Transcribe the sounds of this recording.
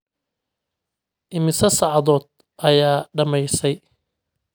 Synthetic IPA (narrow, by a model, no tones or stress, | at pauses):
ʔɪmɪsɐsɑʕɑðɔːd̪̚ | ʔɐjaːɖɐmɛjsɛj